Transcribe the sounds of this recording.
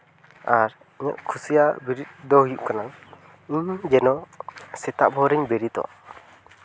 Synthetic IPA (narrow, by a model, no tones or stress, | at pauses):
aɾ | ɲɔ̰ʔkʰusijabiɾit̪̚d̪ɔɦujuʔ̚kana | md͡ʒɛnɔsɛt̪aʔbʱɔɾɛɲbɛɾit̪ɔ̰a̰